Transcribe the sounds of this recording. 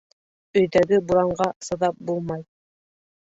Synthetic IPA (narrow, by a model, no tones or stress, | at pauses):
ɵ̆jðæɡɘbuɾɑɴɢɑsɤ̆ðɑp̚bulˠmɑj